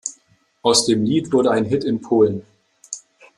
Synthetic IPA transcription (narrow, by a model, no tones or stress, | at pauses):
ʔaʊsd̥eːmliːtv̥ʊɐdəaɪnɦɪtɪnpʰoːlən